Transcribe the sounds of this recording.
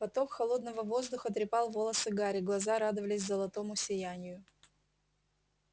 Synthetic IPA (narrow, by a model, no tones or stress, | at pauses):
pɐt̪o̞kxɐlˠo̞d̪nəvəvo̞zd̪ʊxət̪̬ɾʲɪpɑlˠvo̞lˠəsɨɡaɾʲɪɡlˠɐzaɾad̪ɨvəlʲɪsʲzəlˠɐt̪o̞mʊsʲɪjænʲɪjʊ